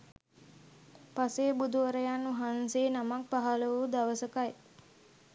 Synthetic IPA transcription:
paseːbud̪uʋəɾəjanːuɦanseːnamak̚paɦaləʋud̪aʋəsəkaj

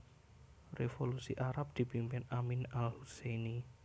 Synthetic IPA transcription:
refolusḭʔaɾap̚d̪̥i̤b̥impɪnaminalhuseni

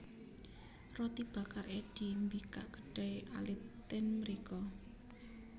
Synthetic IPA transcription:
rɔt̪ib̥a̤kareɖ̥i̤mbika̰ʔɡ̥ə̥ɖ̥ajʔa̰lit̪ːɪnməɾikɔ

